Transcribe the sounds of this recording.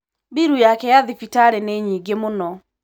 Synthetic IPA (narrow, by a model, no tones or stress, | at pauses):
biɾujakɛjaðipitaɾɛneɲiɡemonɔ